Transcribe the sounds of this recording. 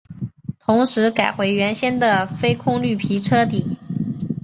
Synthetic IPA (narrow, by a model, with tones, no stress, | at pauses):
t̪ʰʊ˧˥ŋʂɻ̩˧˥ka˨˩ɪxwe˧˥ɪɥɛ˧˥nɕjɛ˥nd̪ə˨fe˥ɪkʰʊ˥˧ŋly˥˩pʰi˧˥ʈ͡ʂʰɤ˥t̪i˨˩˦